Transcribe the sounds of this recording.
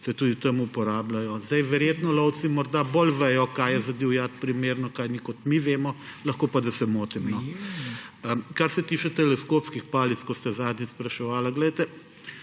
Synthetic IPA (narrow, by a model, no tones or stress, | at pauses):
sɛt̪uːd̪it̪ɐmupɔɾaːblajɔzd̪ɐjʋɛɾjeːt̪nɔlɔwt̪simɔɾd̪abolʋɛjɔkajjɛzɐd̪iwjat̪pɾimeːɾnɔkajnikɔt̪miʋeːmɔlɐxkoːpad̪ɐsɛmoːt̪imnɔ | əkaɾsɛt̪iːt͡ʃɛt̪ɛlɛskoːpskixpaːlit̪skɔst̪ɛzaːd̪nʲispɾɐʃɛʋaːlaɡlɛjt̪ɛ